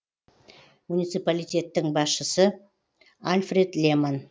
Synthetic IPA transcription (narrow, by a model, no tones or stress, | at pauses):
munijt̪sɨpalijt̪ʲe̞t̪ːɪŋbɑsʃəsə | alʲfre̞d̪lʲeman